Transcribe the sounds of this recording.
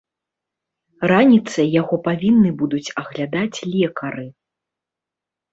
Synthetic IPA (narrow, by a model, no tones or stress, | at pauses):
ranʲit̪sɐjaɣɔpavʲinːɨbud̪ut͡sʲɐɣlʲad̪at͡sʲlʲɛkɐɾɨ